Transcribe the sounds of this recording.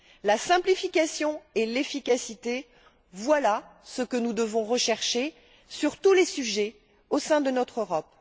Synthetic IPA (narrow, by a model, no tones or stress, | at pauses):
lasɛ̃plifikʲasjɔ̃ɛlefikʲasit̪e | vwalasəkənud̪əvɔ̃ʁəʃɛʁʃe | syʁt̪ulesyʒɛ | osɛ̃d̪ənɔt̪χøʁɔp̚